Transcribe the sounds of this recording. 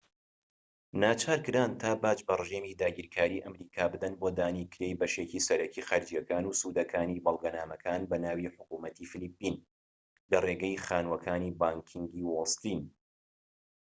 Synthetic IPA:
naːt͡ʃʰaːɾkɨɾaːnt̪ʰaːbaːt͡ʃbɐrɨʒeːmid̪aːɡiːɾkʰaːɾiːʔɐmɾiːkʰaːbɨd̪ɐnboːd̪aːnikɨɾejbɐʃeːcisɐɾɐcixaɾd͡ʒijɐkaːnuːsuːd̪ɐkʰaːniːbɐlˠɡɐnaːmɐkʰaːnbɐnaːwiħʊkuːmɐt̪iːfɨlipːiːn | lɐreɡɛjxaːnwɐkʰaːniːbaːŋkʰiŋɡiːwolˠst̪iːn

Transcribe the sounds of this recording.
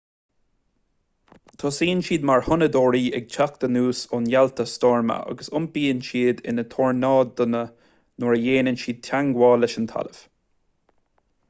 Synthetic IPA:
t̪ʰɑːsiːənʃiːd̪maɹhʊnəd̪oːɹiːʔɛ̰ɡ̚t͡ʃʰak̚d̪̥ənuːsʊnjalt̪ʰəst̪ɔːɹmə̰ʔa̰ɡəsʊmbiːənʃiːd̪ɪ̰nət̪ʰɔːɹnɑːd̪ʊnə | noɹəjeːnənʃiːd̪̚t̪ʰaŋɡwɑːlɛʃənt̪ʰa̰ləv̥

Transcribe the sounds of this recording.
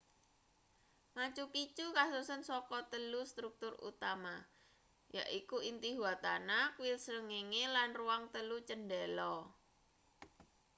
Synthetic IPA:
mat͡ʃupit͡ʃukasusənsɔkɔt̪əlust̪ɾuk̚t̪ʊrṵt̪ama | ja̰ʔikuint̪iɦuat̪anakwilsəŋeŋelanruwaŋt̪əlut͡ʃənɖɛlɔ

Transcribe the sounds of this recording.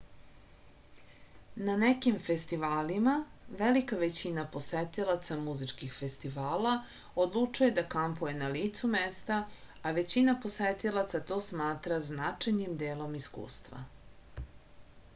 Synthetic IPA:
nanekimfest̪iʋaːlimaʋelikaʋet͡ɕinapo̞set̪ilat̪samuzit͡ʂkixfest̪iʋaːla | od̪lˠut͡ʂuje̞d̪akampuje̞naliːt̪sumest̪a | aʋe̞t͡ɕinapo̞set̪ilˠat̪sat̪o̞ːsmaːt̪ɾaznat͡ʂajnimd̪eːlo̞miskṵːst̪ʋa̰

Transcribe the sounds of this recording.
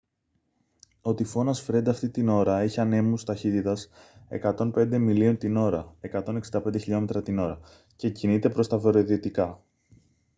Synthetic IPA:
o̞t̪ifo̞nɐsfɾe̞nd̪ɐːft̪it̪ino̞ɾɐe̞çiɐne̞must̪ɐçit̪it̪ɐse̞̰kɐt̪o̞npe̞nd̪e̞milio̞nt̪ino̞ɾɐe̞kɐt̪o̞ne̞ksind̪ɐpe̞nd̪eçiʎo̞me̞t̪ɾɐt̪ino̞ɾɐ | ce̞cinit̪e̞pɾo̞st̪ɐve̞ɾoðit̪ikɐ

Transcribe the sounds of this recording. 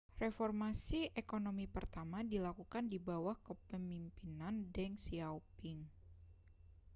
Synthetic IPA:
refɔrmasiʔekonomipərt̪amadilakukandibawahkəpəmimpinandɛŋsiawpɪŋ

